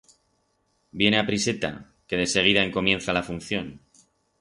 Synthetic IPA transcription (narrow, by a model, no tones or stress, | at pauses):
bje̞ne̞apɾise̞t̪a̰ | ke̞ðe̞se̞ɣ̞iðae̞ŋko̞mje̞nθalafunθjo̞n